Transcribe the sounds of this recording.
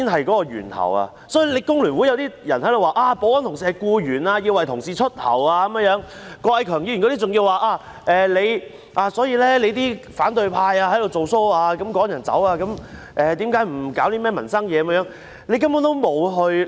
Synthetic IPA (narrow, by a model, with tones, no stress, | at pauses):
iː˥nɦɐ˨jkɔː˨˥kɔː˧jy̰ː˨˩nt̪ʰɐ̰˨˩wa̰˧ | sɔː˨˥iː˧˥le˨˧jkʊ˥ŋlyː˨˩nwu˨˥jwt̪iː˥jɐ˨˩nhɐ˨˥jd̪o˨waː˨˧ʔaː˧po˨˧wɐ˨˥nt̪ʰʊ˨˩ŋsiː˨˩ɐ˨jkuː˧jyː˨˩naː˧ji˧wɐ˨˩jt̪ʰʊ˨˩ŋsiː˨˩t͡ʃʰɵ˥t̚h̪ʰɐ̰˨˩waː˧kɐ˨˧mə˧ŋjœː˨˧˥ŋkɔː˧ɐ˧jkʰœː˨˩ŋji˧˨nkɔ˧t̪i˥t͡sʊ˨ŋjiː˧waː˨˧ʔaː˧ | ʔɛː˨le˨˧j | ʔaː˨˧sɔː˨˥jiː˧lɛː˥le˨˧jt̪iː˥faː˨˥nt̪ɵ˧ɥpʰaː˧jaː˧hɐ˨˥jd̪wt͡so˨wso˥waː˧kɐ˨˥mkɔː˨˥ŋjɐ˨˩nt͡sɐ̰˨˥waː˧kɐ˨˥m | ʔɛː˨t̪iː˨˥mkaː˨˥jm̩˨˩kaː˨˥wt̪iː˥mɛː˥˩mɐ˨˩nsɐ˥ŋjɛː˨˧ɐ˧m˥jœː˨˧˥ŋ | le˨˧jkɐ˥mɔː˨˥nt̪o˥wmo˨˧wɦɵ˧ɥ